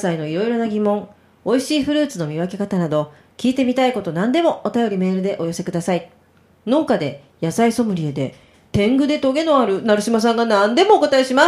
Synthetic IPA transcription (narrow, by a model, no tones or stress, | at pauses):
saino̞iɾo̞iɾo̞naɡʲimõ̞ŋ | o̞iɕiːɸɯ̟ɾɯ̟ːt͡sɨno̞mʲiβake̞kat̪anad̪o̞ | kʲiːt̪e̞mʲit̪aiko̞t̪o̞nãnd̪e̞mo̞ot̪ajo̞ɾʲime̞ːɾɯ̟d̪e̞ʔo̞jo̞se̞kɯ̟d̪asai | no̞ːkad̪e̞ | jasaiso̞mɯ̟ɾʲie̞d̪e̞̰ | t̪ẽ̞ŋɡɯ̟d̪e̞t̪o̞ɡe̞no̞aɾɯ̟naɾɯ̟ɕimas̬ãŋɡanãnd̪e̞mo̞ːko̞t̪ae̞ɕima